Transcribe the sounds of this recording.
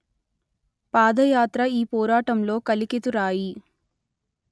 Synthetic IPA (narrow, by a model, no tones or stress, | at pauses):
paːd̪ɐjaːt̪ɾɐiːpɔːɾaːʈɐmlo̞ːkɐliket̪uɾaːji